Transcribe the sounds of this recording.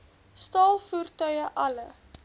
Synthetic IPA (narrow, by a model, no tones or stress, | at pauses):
stɑːlˠfuːrtœɥəʔɐlə